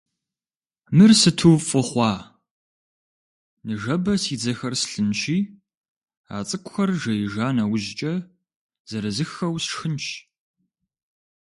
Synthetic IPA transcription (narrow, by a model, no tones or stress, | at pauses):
mɨrsɨtʰuːfʼʊχʷɑː | nɨʒɐbɐsiːd͡zɐxɐrsɬɨnʃiː | a̰ːt͡sʼɨkʷʼʊxɐrʒɐjɪʒaːnɐwʑt͡ʃʼɐ | z̥ɐɾɐzɨxɐwsʂxɨnt͡ʃʰ